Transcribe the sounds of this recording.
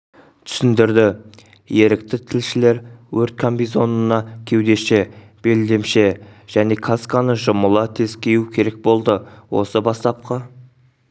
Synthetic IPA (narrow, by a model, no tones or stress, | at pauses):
t̪ʰʏ̥sɪnd̪ɪɾd̪ɪ | je̞ɾɪkt̪ɪt̪ʰɪlʃɪle̞ɾwɵɾt̪̚kʰambʲizo̞nənɑkʲʰe̞wd̪e̞ʃe | b̥e̞ld̪e̞mʃe̞ʒ̥æne̞kʰaskɑnəʒʊməlˠət̪ʰe̞zkʲe̞jukʲʰe̞ɾe̞k̚bo̞lˠd̪əwo̞̰səbɑst̪ɑp̚qʰɑ